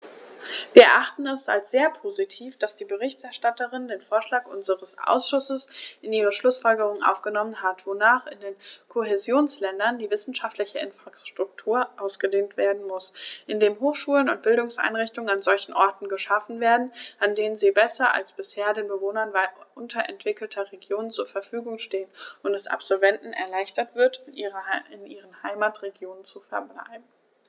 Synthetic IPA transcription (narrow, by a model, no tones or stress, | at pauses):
viːɐɛɐʔaχtn̩ɛsa̰lsz̥eːɐpʰoːzitʰiːfd̥asd̥iːbəʁ̞ɪçtɛɐʃtatəʁɪndeːnfoːɐʃlaːkʔʊ̰nzəʁəsʔa̰ʊsʃʊsəsʔɪniːʁ̞əʃlʊsfɔlɡəʁ̞ʊŋəʔa̰ʊfɡ̥ənɔmənɦatv̥onaːχɪ̰ndeːnkʰoɦezjoːnslɛndɐndiːvɪsn̩ʃaftlɪçəɪnfʁ̥aʃtʁ̥ʊk̚tʰuːɐʔaʊsɡ̥ədeːntv̥eːɐdn̩mʊsʔɪndeːɦoːxʃuːlənʊnt̚b̥ɪldʊŋsʔa̰ɪnʁɪçtʊŋənanzɔlçn̩ʔɔɐtn̩ɡəʃafn̩veːɐdn̩ʔandeːnənziːbɛsɐʔa̰lsb̥ɪsheːɐdeːnbəvoːnɐnvaʔʊntʰɐʔɛ̰ntv̥ɪkl̩tʰɐʁeɡjoːnənt͡suːɐfɛɐfyːɡʊŋʃteːənʊntd̥ɛsʔa̰pz̥ɔlvɛntn̩ɛ̰ɐlaɪçtɐtv̥ɪɐt | ɪnʔiːʁənhaɪmaːtʁeɡjoːnənt͡sufɛɐbla̰ɪbn̩